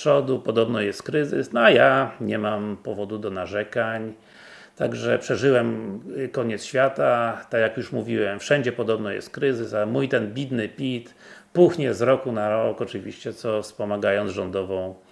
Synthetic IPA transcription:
ʂɔd̪upɔd̪ɔbnɔjɛst̪̚kɾɘzɘ̰snɔajaɲɛmampɔvɔd̪ud̪ɔnaʐɛkaɲ | t̪a̰ɡʐɛpʂɛʐɘwɛmkɔɲɛt̪sɕfʲjat̪at̪akjakjuʂmuvʲiwɛmfʂɛɲd͡ʑɛpɔd̪ɔbnɔjɛ̰st̪̚kɾɘzɘsamujt̪ɛnbʲid̪nɘpʲit̪ | puxɲɛzɾɔkunaɾɔkɔt͡ʂɘvʲiɕt͡ɕɛt̪sɔfspɔmaɡajɔnʐɔnd̪ɔvɔ̃w̃

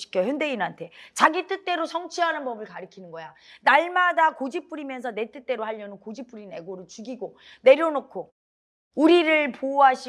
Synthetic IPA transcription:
ɕʰi̥kʰjʌçjʌnde̞inɦantʰe̞t͡ɕaɡit͈ʰɯt͈e̞ɾosʰʌŋt͡ɕʰiɦanɯnpʌbɯɭkaɾɯkʰinɯnɡʌjanaɭmadakod͡ʑip͈uɾimjʌnsʰʌne̞t͈ʰɯt͈e̞ɾohaʎːʌnɯnkod͡ʑip͈uɾine̞ɡoɾɯɭt͡ɕuɡiɡo | ne̞ɾjʌnokʰo | uɾiɾɯɭpoɦaɕʰi

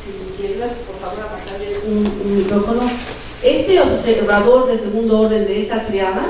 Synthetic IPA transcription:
sinikjeɾelasipoɾfaβoɾapasaɾeununmikɾofo̞no̞ | e̞st̪eoseβaβo̞ɾd̪e̞se̞ɣund̪ooɾðe̞nd̪eesat̪ɾjaða

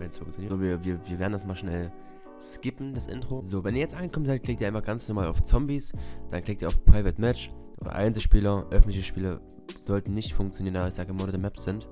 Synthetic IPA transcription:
vɛnsfʊŋkt͡sjoniːɐːviːɐviːɐviːɐveːɐdn̩dasmaːlʃnɛl | skɪpn̩d̥asʔɪ̰ntʁ̥ozoːvɛnʔiːɐjɛt͡stʔanɡəkʰɔmənzaɪt̚klɪktiːɐɪmɐɡant͡snɔʁmaːla̰ʊft͡sɔmbisd̥anklɪktiːɐaʊpʁ̥aɪvətmɛt͡ʃ | ʔoːdɐ̰ʔa̰ɪnzəʃpiːlɐʔœfn̩tlɪçəʃpiːlɐ | z̥ɔltn̩nɪçtfʊŋkt͡sjoniːʁənaːbɐɪçz̥aːɡəəmoːnədəmɛpsz̥ɪnt

